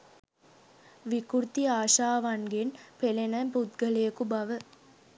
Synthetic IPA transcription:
ʋikuɾt̪iaːʃaːʋaŋɡenpelenəmput̪ɡəlejəkubaʋə

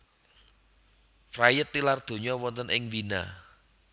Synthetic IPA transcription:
frajət̪ːilard̪̥o̤ɲɔwɔnt̪ənʔɪŋbina̰

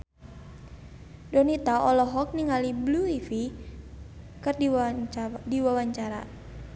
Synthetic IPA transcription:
dɔnit̪aɔlɔɦɔk̚niŋalibluifi | kɨr | diwawaɲt͡ʃaɾa̰

